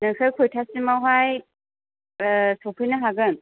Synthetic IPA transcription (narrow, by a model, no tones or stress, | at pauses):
nɯkʰɯjkʰojtʰasimawɦaj | sowpʰɯjnɯɦaɡɯn